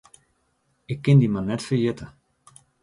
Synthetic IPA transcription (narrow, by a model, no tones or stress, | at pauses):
ɪkːɪndimanɛtfərjɪtʰə